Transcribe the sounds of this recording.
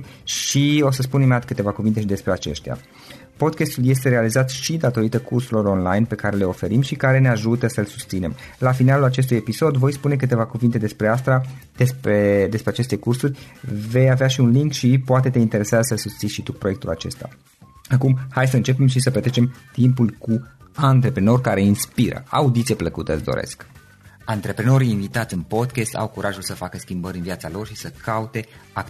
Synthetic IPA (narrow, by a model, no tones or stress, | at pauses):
ʃio̞səspunimat̪kɨt̪e̞vakuvint̪e̞ʃid̪e̞spɾeat͡ʃe̞̰ʃt̪ea̰ | po̞d̪kest̪ulje̞st̪e̞ɾe̞alizat̪ʃid̪at̪o̞ɾit̪əkursuɾlo̞ɾo̞nla̰jnpe̞kaɾe̞le̞o̞fe̞ɾimʃikaɾe̞ne̞aʒut̪əsəɨlsu̥st̪sine̞m | lafinalulat͡ʃe̞s̬t̪uje̞piso̞d̪vo̞jspune̞k̬ɨt̪e̞vakuvint̪e̞d̪e̞spɾe̞ast̪ɾad̪̥esped̪e̞spɾeat͡ʃe̞st̪e̞kursurʲve̞javeaʃiunliŋkʃipoat̪e̞t̪e̞int̪e̞ɾe̞sasəsust̪siʃit̪upɾo̞jekt̪ula̰t͡ʃe̞st̪a̰ | akumhajs̬əɨnt͡ʃe̞pe̞mʃisəplət̪ɾe̞t͡ʃe̞mt̪impulku | ant̪ɾe̞pɾeno̞rʲkaɾe̞inspiɾə̰a̰ud̪it̪siepləkut̪eəsd̪o̰ɾḛsk | ant̪ɾe̞pɾeno̞ɾiːnvit̪at̪sʲɨnpo̞d̪kʲest̪a̰wkuɾʔaʒulsəfakəskʲimbəɾʲɨnvijat̪salo̞rʃisəkaut̪e̞a